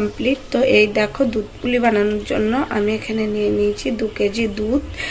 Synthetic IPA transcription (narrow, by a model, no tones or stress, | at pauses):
mpliʈt̪oʔejd̪ɛkʰod̪ud̪ulibananoɾd͡ʑo̰nːoʔamiekʰanenijenijt͡ɕʰid̪uked͡ʑid̪ud̪